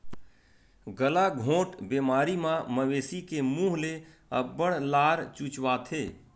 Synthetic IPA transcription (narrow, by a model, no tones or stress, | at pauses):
ɡəlaɡʱõːʈbeːmaːɾimãməʋeːsikemũːɦle | ə̰bəɽlaːɾt͡ʃuːt͡ʃwaːt̪ʰeː